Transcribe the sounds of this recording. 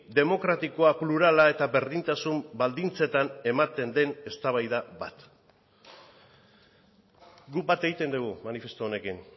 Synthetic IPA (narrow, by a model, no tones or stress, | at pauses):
d̪e̞mo̞kɾat̪iko̞apluɾalae̞t̪aβe̞ɾðint̪asumbald̪int͡se̞t̪ane̞mat̪e̞nd̪e̞ne̞st̪aβajðaba̰t̪ | ɡubat̪e̞ɣit̪e̞nd̪uɣumanife̞st̪oone̞kin